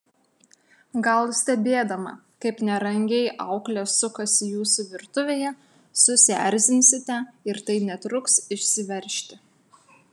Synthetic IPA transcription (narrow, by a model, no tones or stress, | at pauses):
ɡɐlˠsʲt̪ʲɛbʲeːd̪ɐmɐ̰ | kɐɪpnʲɛɾɐŋʲɡʲɛɪʔɐʊklʲɛsʊkɐsʲɪjuːsʊʋʲɪɾt̪ʊʋʲeːjɛ | sʊsʲæ̰ɾʲzʲɪnʲsʲɪt̪ʲɛɪɾt̪ɐɪnʲɛt̪ɾʊksɪʃʲsʲɪʋʲɛɾʲʃʲt̪ʲɪ